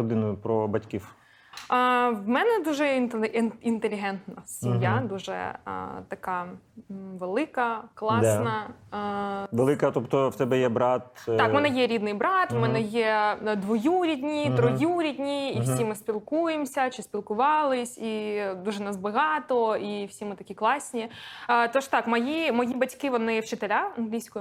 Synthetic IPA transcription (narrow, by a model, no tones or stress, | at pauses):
ɔd̪ɪnʊjʊpɾɔbɐtʲkʲiw | ʋmɛnɛd̪uʒɛ | int̪elʲiɦɛnt̪nɐsʲimjad̪uʒɛ̰t̪ɐkɑ | ʋelˠɪkɐklˠɑsnɐ | ʋelˠɪkɐt̪ɔpt̪ɔwt̪ɛbɛjɛbɾɑt̪ɑkmɛnɛjɛɾʲid̪nɪjbɾɑt̪mɛnɛjɛd̪ʋɔjuɾʲidʲnʲijt̪ɾɔjuɾʲidʲnʲijiwsʲimɪspʲilˠkujemsʲɐt͡ʃɪsʲpʲilˠkʊʋɑlˠɪsʲid̪uʒɛnɐzbɐɦɑt̪ɔiwsʲimɪt̪ɐkʲiklˠɑsʲnʲit̪ɔʃt̪ɑkmɐjimɔjibɐtʲkɪʋɔnɪwt͡ʃɪt̪elʲaɐnɦlʲijsʲkɔjʊ